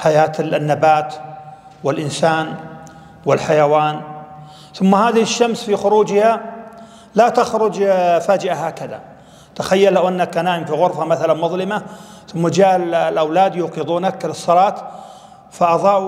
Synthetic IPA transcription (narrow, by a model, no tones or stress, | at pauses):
ħajaːt̪nːabaːt̪ | wɪlʔɪnsaːn | wɪlħajawaːn | θʊmːahaːðɪɪʃːamsfixʊɾuːd͡ʒha | lat̪axɾʊd͡ʒfaːd͡ʒɪʔaɦaːkaða̰ | t̪axajːalːawʔanːakʔanaːʕɪmfiɣʊɾfamaθalanmʊðˤlɪma | θʊmːad͡ʒaːllʔawlaːd̪juːqɨðˤuːnakːɪlɨsˤːɑlɑːt̪ | faʔɑðˤɑːʕ